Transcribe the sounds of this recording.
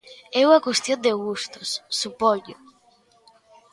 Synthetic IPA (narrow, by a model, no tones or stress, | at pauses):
ɛwakwest̪jõnd̪eɣust̪ʊ̥sːupoʎo